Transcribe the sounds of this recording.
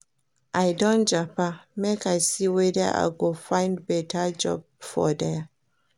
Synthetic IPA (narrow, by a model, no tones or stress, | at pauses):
ʔajdõnd͡ʒapamekajsiwɛðə̰ʔa̰ɡofãɪ̃ndbɛtʰəd͡ʒɔ̰b̚ | fɔ̰dɛ